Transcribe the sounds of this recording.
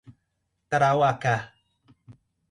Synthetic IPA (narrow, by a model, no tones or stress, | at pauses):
taɾawaka